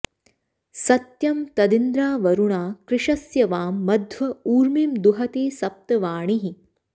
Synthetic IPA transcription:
sɐt̪jɐmt̪ɐd̪ind̪ɾaːʋɐɾuɳaːkɾɪʂɐsjɐʋaːmːɐd̪ʱʋɐuːɾmimd̪uɦɐt̪eːsɐp̚t̪ɐʋaːɳiɦi

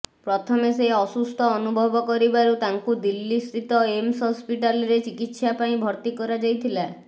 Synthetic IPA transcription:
pɾɔt̪ʰɔmeseɔsust̪ʰɔːnubʱɔbɔkɔɾibaɾut̪aŋkud̪ilːist̪ɾit̪ɔemsɦɔspiʈaliɾet͡ʃikit̪sapaĩbʱɔɾt̪ikɔɾad͡ʒajt̪ʰila

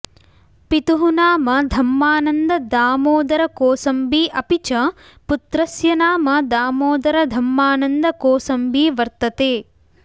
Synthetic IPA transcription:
pit̪uɦunaːmɐd̪ʱɐmːaːnɐnd̪ɐd̪aːmoːd̪ɐɾɐkoːsɐmbiːʔɐpit͡ʃɐ | put̪ɾɐsjɐnaːmɐd̪aːmoːd̪ɐɾɐd̪ʱɐmːaːnɐnd̪ɐkoːsɐmbiːʋɐɾt̪ɐt̪eː

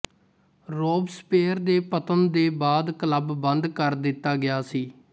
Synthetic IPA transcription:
ɾoːbspeːɾd̪eːpət̪ənd̪eːbaːd̪kələbːə̃nd̪kəɾd̪ɪt̪ːaːɡɪjaːsiː

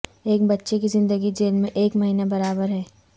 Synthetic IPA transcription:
eːk̚bɐtːʃekizɪ̃nd̪əɡid͡ʒeːlmẽʔeːkmɐɦiːnabɐɾaːbəɾɦɛː

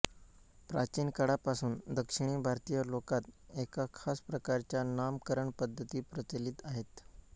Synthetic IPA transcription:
pɾat͡ɕinkəɽapasuːnd̪əkʂiɳ̃iːbʱaɾt̪ijəlokat̪ekakʰaspɾəkaɾt͡ɕjanamkəɾəɳpəd̪ʱːət̪iːpɾət͡ɕəliːt̪aɦet̪

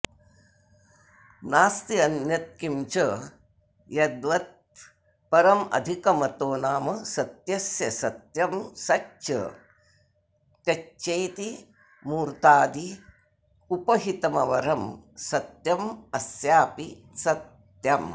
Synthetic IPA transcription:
naːst̪iɐnjɐt̪̚kimt͡ʃɐ | jɐd̪ʋɐt̪̚ | pɐɾɐmɐ̰d̪ʱikɐmɐt̪oːnaːmɐsɐt̪jɐsjɐsɐt̪jɐmsɐt͡ʃt͡ʃɐ̰ | t̪jɐt͡ʃt͡ʃeːt̪i | muːɾt̪aːd̪i | upɐɦit̪ɐmɐʋɐɾɐmsɐt̪jɐmɐsjaːpi | sɐt̪ | jɐm

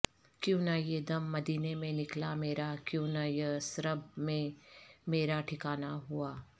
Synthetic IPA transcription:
kjõːnajed̪ɐmːɐd̪iːnemẽnɪklameːɾakjõːnajesɾəb̚mẽmeːɾaʈʰɪkaːnaɦuaː

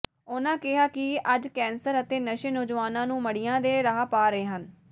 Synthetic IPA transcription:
ʊnãːkɪɦaːkɪʔəd͡ʒkɛ̃ːnsəɾət̪eːnəʃeːnoːd͡ʒʋaːnãːnũːməɽijãːd̪eːɾəɦaːpaːɾəeːɦən

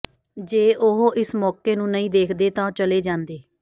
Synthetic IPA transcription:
d͡ʒeːʔʊɦoʔɪsmɔːkeːnũːnəĩːd̪eːkʰd̪eːt̪ãːt͡ʃəleːd͡ʒãːnd̪eː

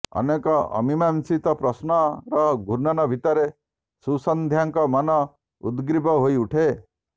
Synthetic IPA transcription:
ɔ̰nekɔɔ̰mimansit̪ɔpɾɔsnɔɾɔɡʱuɾnanɔbʱit̪ɔɾe | susɔnd̪ʱjaŋkɔmɔnɔ | ṵd̪ɡɾibʱɔɦoiuʈʰe

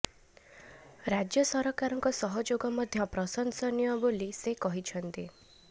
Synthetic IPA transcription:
ɾad͡ʒjɔsɔɾɔkaɾɔŋkɔsɔɦɔd͡ʒoɡɔmɔd̪ʱjɔpɾɔsɔnsɔnijɔbolisekɔɦit͡ʃʰɔnt̪i

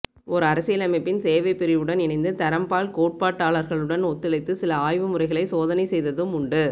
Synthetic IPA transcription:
ɔɾɯɐɾɐsɪjlɐmɐɪpːɪnseːʋɐɪpːɪɾɪʋɯɽɐnɪɳɐɪnd̪ɯt̪ɐɾɐmpaːlkoːʈ̚paːʈːaːɭɐɾɣɐɭɯɽɐnɔt̪ːɪlɐɪt̪ːɯsɪlɐaːjʋɯmɯrɐɪɣɐɭɐɪsoːðɐnɐɪsɛjðɐðɯmʊɳɖɯ

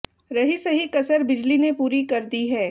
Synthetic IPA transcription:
ɾɐɦisɐɦikɐsəɾbɪd͡ʒlinepuːɾikɐɾd̪iɦɛː

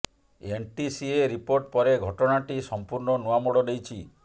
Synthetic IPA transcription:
enʈisieɾipoɾʈpɔɾeɡʱɔʈɔɽaʈisɔmpuɾɳɔnuamɔɽɔd̪ejt͡ʃʰi

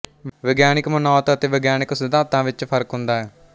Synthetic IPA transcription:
ʋɛːɡjaːnɪkmənɔːt̪ət̪eːʋəːɡjaːnɪksɪd̪aːt̪ãːʋɪt͡ʃpʰəɾkɦʊ̃nd̪aːɛː

